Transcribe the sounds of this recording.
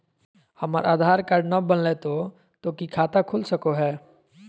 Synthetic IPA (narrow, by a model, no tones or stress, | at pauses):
hɐmə̰ɾʔaːd̪ʱaːɾkaɾɖnabənlet̪o | t̪oːkikʰaːt̪akʰʊlsəkoɦɛː